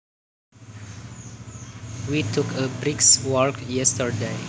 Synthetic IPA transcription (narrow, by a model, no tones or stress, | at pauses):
witʰukʰəbɹikswɔɹkjɛstəɹde